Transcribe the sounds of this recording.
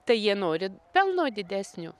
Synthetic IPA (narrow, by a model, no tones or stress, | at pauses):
t̪ɐɪjiɛnoːɾʲɪpʲɛlˠnoːd̪ʲɪd̪ʲæːsʲnʲʊ̰ː